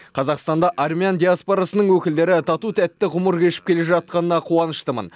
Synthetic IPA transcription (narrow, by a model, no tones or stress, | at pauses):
qʰɑzɑqst̪ɑnd̪ɑʔarmʲiand̪ʲiaspoɾasənəɴwɵkʲɪld̪e̞ɾɪt̪ʰɑt̪ut̪ʰæt̪ːɪʁʊməɾkʲʰe̞ʃɪ̥p̚kʲe̞leʒɑt̪̚qɑnənɑqʰuɑnəʃt̪əmə̰n